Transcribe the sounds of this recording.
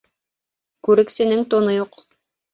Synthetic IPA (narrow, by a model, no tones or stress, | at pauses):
kʉɾɘ̆ksɘ̆nɘŋt̪ŏnɤjuq